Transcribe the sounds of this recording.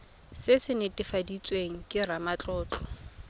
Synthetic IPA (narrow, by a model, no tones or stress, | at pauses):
sɪsɪnɪtʼɪfadit͡sʼweŋ̩kʼɪramat͡ɬʼɔːt͡ɬʰʼɔ̥